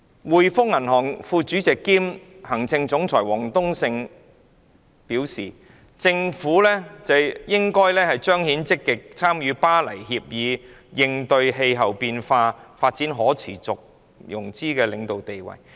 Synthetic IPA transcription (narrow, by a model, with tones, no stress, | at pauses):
wuː˨jfʊ˥k̚ŋɐ˨˩nɦɔː˨˩ŋfuː˧t͡ʃyː˨˥t͡sɪ˨kːiː˥m | hɐ˨˩ŋt͡sɪ˧ŋt͡sʊ˨˥ŋt͡sʰɔː˨˩jwɔː˨˩ŋt̪ʊ˥ŋsɪ˧ŋ | piː˨˥wsiː˨˩ | t͡sɪ˧ŋfuː˨˥lɛː˥t͡sɐ˨jjɪ˥ŋkɔː˥jlɛː˥hɐ˨jt͡ʃœː˥ŋhi˨˥nt͡sɪ˥kːɪ˨k̚t͡sʰaː˥mjyː˨˧paː˥lɐ˨˩jhiː˧p̚jiː˨˧jɪ˧ŋt̪ɵ˧ɥɦe˧jɦɐ˨wpiː˧nfaː˧faː˧t̚t͡siː˨˥nɦɔː˨˥t͡sʰḭː˨˩t͡sʊ˨k̚ | jʊ˨˩ŋt͡siː˥kɛː˧lɪ˨˧ŋt̪o˨wt̪e˨jwɐ̰˨˩j